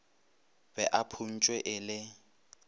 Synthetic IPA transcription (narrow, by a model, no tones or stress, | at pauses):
bɛʔapʰun̩t͡ʃʼwɛʔɪlɪ